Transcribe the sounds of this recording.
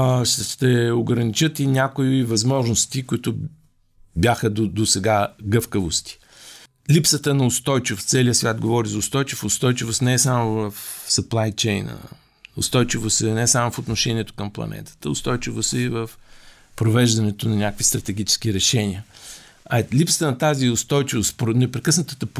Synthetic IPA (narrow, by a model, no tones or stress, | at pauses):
ʃt̪ɛoɡɾɐnit͡ʃət̪inʲakʊivɐzmɔʒnost̪ikʊit̪ʊ | bʲjaxəod̪osɛɡaɡɤfkəvost̪i̥ | lipsət̪ənɐʊst̪ɔjt͡ʃivt̪sɛliəsvʲjad̪̚ɡovɔɾizɐʊst̪ɔjt͡ʃifːst̪ɔjt͡ʃivosnɛɛsamovəfsɐplˠajt͡ʃɛjnə̰ | ʊ̰st̪ɔjt͡ʃivost̪ɛnɛsamofot̪noʃɛniɛt̪ʊ̥kəmplˠɐ̰nɛ̰t̪ə̥t̪əʊ̰st̪ɔjt͡ʃivosɛivəf | pɾovɛʒd̪ɐnɛt̪onɐnʲakvist̪ɾɐt̪ɛɡ̟ʲit͡ʃɛ̥sk̟iɾɛʃɛniə | ɐlipsə̥t̪ənɐt̪aziʊst̪ɔjt͡ʃivost̪pɾonɛpɾɛkɤsnət̪ət̪əp